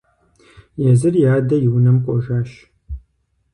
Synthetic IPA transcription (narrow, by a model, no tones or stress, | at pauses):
jɛzɨrjaːdɐjɪwnɐmqʷʼɔʒaːʃ